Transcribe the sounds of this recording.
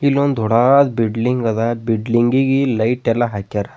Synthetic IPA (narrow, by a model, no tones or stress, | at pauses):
ilond̪ʱɔɽad̪biɖliŋɡɡad̪abiɖliŋɡiɡilɐjʈelaɦakaɾa